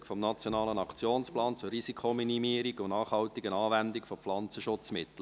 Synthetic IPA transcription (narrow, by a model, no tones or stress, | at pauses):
kfɔmnɑt͡sjɔnɑːlənɑkʰt͡sjoːnsplɑːnt͡sʊrːisikʰominimiːɾiɡʊnnɑːχhɑltɪɡənɑːvɛnd̪ɪkfɔpflɑnt͡səʃʊt͡smɪt̪l̩